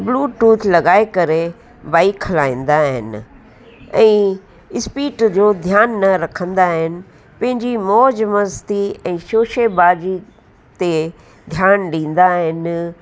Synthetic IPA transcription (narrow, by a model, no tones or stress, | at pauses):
bluːʈuːt̪ʰlɐɡaːekɐɾe | baːikʰhɐlaːĩːnd̪aːɦɪ̰nɪ̆ | ɛ̃ː | ɪspiːʈd͡ʑoːd̪ʱjaːnːɐɾɐkʰə̃nd̪aːɦɪnɪ̆ | pɐ̃ɦɪ̃ɲd͡ʑimɔːd͡ʑmɐst̪iɛ̃ːʃoːʃebaːd͡ʑi | t̪e | d̪ʱjaːnɗĩːn̆d̪aɦɪnɪ